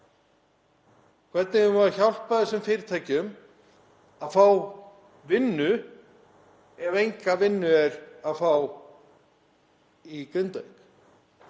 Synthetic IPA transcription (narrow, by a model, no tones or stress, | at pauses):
kʰv̥ɛɾt̪nɪʏmvaðçawl̥paðɛsʏmfɪːɾɪt̪ʰaːjcɪʏm | aðfaːw | vɪnːʏ | ɛvejŋkavɪnːʏɛɾaðfaw | ikʏnt̪œɥk